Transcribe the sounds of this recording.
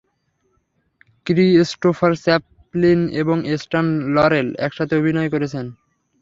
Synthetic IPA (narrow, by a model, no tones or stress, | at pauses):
kɾisʈofʰaɾsɛp | lineboŋesʈanlɔɾelɛ̰kʃat̪ʰeobʱinɔekoɾet͡ɕʰen